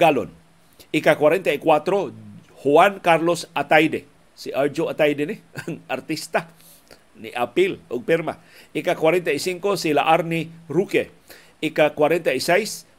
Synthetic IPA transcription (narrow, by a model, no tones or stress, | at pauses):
ɡalo̰n | ikakwaɾent̪aikwat̪ɾo | huankaɾlosat̪ajde | siʔad͡ʒoat̪ajdenɪaŋart̪ist̪a | niʔapiloɡ̚pɛɾma̰ | ikakwaɾent̪aisiŋkosila̰ʔaɾniɾuke | ikakwaɾent̪aisejs